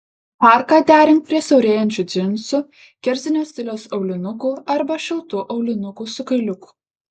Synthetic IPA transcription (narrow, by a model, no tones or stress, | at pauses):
pɑˑɾkɑːd̪ʲæːɾʲɪŋk̚pʲɾʲiɛsʲɛʊɾʲeːjɛnʲt̪ʲt͡ʃʲʊd̪zʲɪnˑsʊ | kʲɛɾʲzʲɪnʲoːsʲt̪ʲɪlʲoːsɒʊlʲɪnʊkuːɐɾbɐʃʲɪlˠt̪ʊʔɒʊlʲɪnʊkuːsʊkɐɪlʲʊku̥